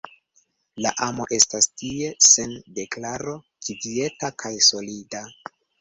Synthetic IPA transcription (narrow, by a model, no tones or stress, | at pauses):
laʔamo̞ʔe̞stastie̞se̞nde̞klaɾo̞ | kidie̞takʰajso̞lida